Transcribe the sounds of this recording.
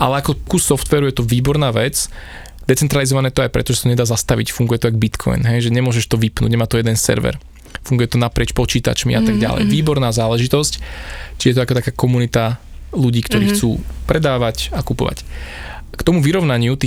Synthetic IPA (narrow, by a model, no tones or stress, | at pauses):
ʔalɛakɔkusɔft̪ʋɛːɾujɛt̪ɔʋiːbɔɾnaːʋɛt͡s | d̪̥ɛt͡sɛnt̪ɾalizɔʋanɛːt̪ɔajpɾɛ̰t̪ɔʒɛsḁt̪ɔɲɛd̪aːzast̪aʋḭcfuŋɡujɛt̪ɔajɡbit̪kʰɔ̰jnɦɛjʒɛɲɛmʊɔʒɛʃt̪ɔʋipnṵɟɲɛmaːt̪ɔjɛd̪ɛnsɛ̰ɾʋɛ̰ɾ | fuŋɡujɛt̪ɔnapɾɪɛt͡ʃpɔt͡ʃiːt̪a̰t͡ʃmḭʔat̪aɡɟa̰lɛ̰jʋiːbɔɾnaːzaːlɛʒit̪ɔsct͡ʃijɛt̪ɔakɔt̪akaːkɔmunit̪a | luɟiːkt̪ɔɾiːxt͡suːpɾɛd̪aːʋacakupɔ̰ʋa̰c | kt̪ɔmuʋiɾɔʊnaɲɪut̪i